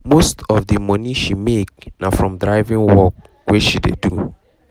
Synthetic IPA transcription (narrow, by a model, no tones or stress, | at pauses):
mostɔvdimɔniʃimek̚nafɹɔ̃mdɹaɪvĩŋwɔk̚ | weʃidḛdu